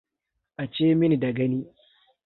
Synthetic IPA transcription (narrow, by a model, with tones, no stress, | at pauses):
ʔa˨t͡ʃeː˦mɪ˦ni˨da˨ɡɐ˦niː˦